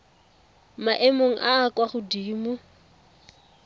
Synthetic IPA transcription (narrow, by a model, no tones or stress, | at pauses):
maʔɛmoŋ̩ʔaːkwaχʊdiːmʊ